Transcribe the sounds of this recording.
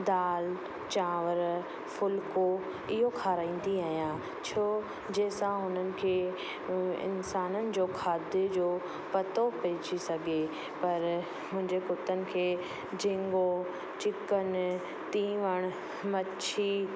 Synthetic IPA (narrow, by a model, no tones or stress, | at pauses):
d̪aːl | t͡ɕãːʋəɾ | fʊlko | ɪɦokʰaːɾaːĩːn̆d̪iaːɦijã | t͡ɕʰoː | d͡ʑeːsãɦʊnənɪ̆kʰeː | ɪ̰nsaːnənɪ̆d͡ʑoːkʰaːd̪ɪd͡ʑoː | pɐt̪opɛːt͡ɕisɐɡʱe | pɐɾ | mʊ̃ɦɪ̃ɲd͡ʑekʊt̪ənɪ̆kʰeː | d͡ʑɪ̃ŋɡo | t͡ɕɪkən | t̪ĩːʋəɽ̃ | mɐt͡ɕʰi